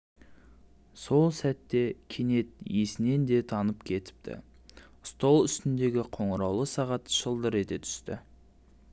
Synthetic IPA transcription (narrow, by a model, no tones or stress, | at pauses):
so̞lˠsæt̪ːe̞kʲʰene̞t̪jesɪne̞nd̪e̞t̪ʰɑnəpkʲʰe̞t̪ɪ̥p̚t̪ɪ̰ | st̪olˠʏst̪ɪnd̪e̞ɡʲɪqʰo̞ɴəɾɑwlˠəsɑʁɑt̪ʒəlˠd̪əɾe̞t̪et̪ʰʏ̥st̪ɪ̰